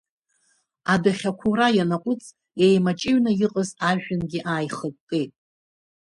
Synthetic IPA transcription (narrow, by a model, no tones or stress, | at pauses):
adaχʲakʷʰurajanaqʷʼʊt͡sʼ | e̞jmat͡ʃʼɪɥnajɪqʼəzaʒᶣɪnɡʲiʔaːjχətʼtʼejtʼ